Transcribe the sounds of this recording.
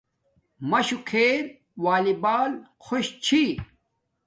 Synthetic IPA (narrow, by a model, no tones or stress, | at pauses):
mɐɕukʰeːɾ | waːlibaːlkʰoɕt͡ɕʰi